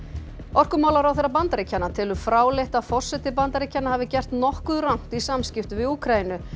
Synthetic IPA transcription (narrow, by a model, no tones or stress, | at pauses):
ɔr̥kʏmawlaɾawθejrːap̬ant̪aɾicʰːanːat̪ʰɪlʏfɾaːwleht̪aðfɔr̥sɛt̪ɪp̬ant̪aɾicʰːanːahavɪcɛr̥t̪nɔhkʏðɾawŋ̥t̪isamscɪft̪ʏvɪðuːkʰɾainʏ